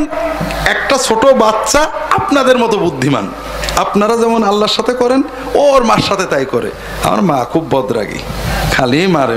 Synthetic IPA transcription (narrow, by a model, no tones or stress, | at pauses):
nɛk̚ʈat͡ɕʰoʈobatːʃaapnad̪eɾmɔt̪obud̪ʱːima̰n | apnaɾad͡ʑɛmonalːaɾʃat̪ʰekɔɾen | oɾmaɾʃat̪ʰet̪ajkɔɾḛ | a̰ma̰ɾmakʰubːɔd̪ɾa̰ɡḭkʰalimaɾe